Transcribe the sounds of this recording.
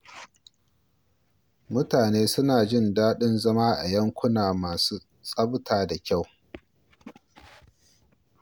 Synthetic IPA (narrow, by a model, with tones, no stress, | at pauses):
mʊ˦taː˨neː˦sʊ˦naː˨d͡ʒɪ˦˨ndaː˦ɗɪ˦nzɐ˦maː˦ʔa̰˨jɐ˦ŋkʷʊ˦naː˨maː˨suː˦ | sʼɐ˦btʰaː˨da˨kʲa˦˨w